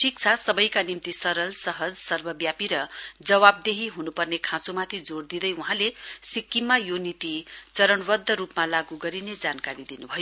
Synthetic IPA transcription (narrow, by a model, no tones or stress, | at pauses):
ʈik̚t͡sʰasʌbʌjkanimt̪isʌɾʌlsʌɦʌd͡zsʌrbʱʌbjapiɾʌd͡zʌwab̚d̪eɦiɦunupʌrnekʰãt͡somat̪ʰid͡zord̪id̪ʌjuɦãlesikːimːajonit̪it͡sʌɾʌɳbʌd̪ʱːʌɾupmalaɡuɡʌɾined͡zankaɾid̪inubʱʌjo